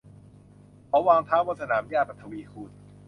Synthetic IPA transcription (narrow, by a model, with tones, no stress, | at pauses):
kʰɔ˨˩˦waː˧ŋt̪ʰaː˦˥wbɔː˧˩sa˧naː˩˦mjaː˧˩p̚a˨˩t̪ʰːa˧wiː˧kʰuː˧˩n̚